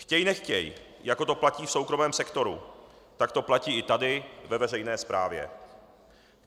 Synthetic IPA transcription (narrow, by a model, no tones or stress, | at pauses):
xcɛjnɛxcɛ̰j | jako̞t̪oplaciːfso̞wkɾo̞mɛːmsɛkt̪o̞ɾṵ | t̪akt̪o̞placiːɪt̪adɪvɛvɛr̝ɛjnɛːspɾa̰ːvjɛ̰